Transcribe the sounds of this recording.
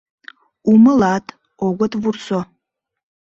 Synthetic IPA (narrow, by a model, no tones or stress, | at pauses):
umɨlatʰ | ɔɡʷɔtʰvurso